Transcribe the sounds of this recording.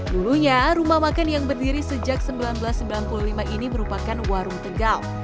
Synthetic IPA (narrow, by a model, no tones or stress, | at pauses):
duluɲaɾumahmakanjaŋbərdiɾisəd͡ʒak̚səmbilanbəlasːəmbilanpululimaʔiniməɾupakanwaɾuŋt̪əɡal